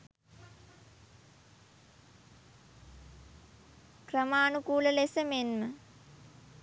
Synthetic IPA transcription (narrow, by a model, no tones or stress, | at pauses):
krəmaːnukuːləlesəmenmə